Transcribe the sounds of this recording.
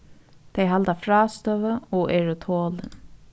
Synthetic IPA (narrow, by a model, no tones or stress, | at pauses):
t̪ʰejɦalt̪afɾɑːst̪œvəɔʔɛɾət̪ʰoːlɪn